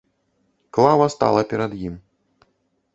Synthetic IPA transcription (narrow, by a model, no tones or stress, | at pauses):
klˠavɐst̪a̰lˠɐpʲɛɾɐd̪jim